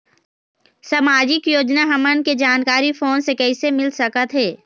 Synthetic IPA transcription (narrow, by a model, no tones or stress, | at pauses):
sɐmaːd͡ʒɪkjoːd͡ʒnaɦɐmənked͡ʒaːnkaːɾifoːnsekɛːsemɪlsɐkət̪ɦɛː